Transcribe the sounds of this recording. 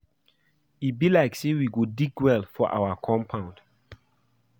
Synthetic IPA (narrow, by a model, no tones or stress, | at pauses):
ibilaɪksewiɡodiɡwɛlfɔʔa̰wakʰɔ̃mpʰãʊ̃nd̥